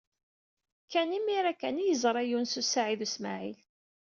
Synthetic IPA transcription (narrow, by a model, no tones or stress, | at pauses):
kːænimiɾækænijəzˤɾˤæjunsusaʕiðusma̰ʕḭl